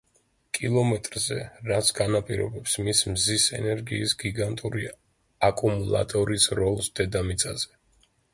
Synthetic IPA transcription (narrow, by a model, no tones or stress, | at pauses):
kʼilˠɔmɛt̪ʼɾzɛ̰ɾat̪sʰɡanapʼiɾɔ̰bɛpsmismzisɛ̰nɛɾɡiːsɡiɡant̪ʼuɾi | akʼumulˠa̰t̪ʼɔɾisɾɔlˠsd̪̥ɛd̪amit̪sʼaz̥ɛ̥